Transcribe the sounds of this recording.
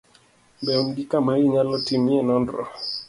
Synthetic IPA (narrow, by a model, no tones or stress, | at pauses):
bɛumɡikamaiɲalɔtimiɛnɔndɾɔ̰